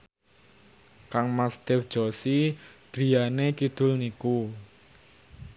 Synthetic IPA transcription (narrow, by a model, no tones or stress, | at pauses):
kaŋmast̪ɛfd̥ʒ̥ɔsiɡ̥ɾi̤janekid̪̥ʊ̤lniku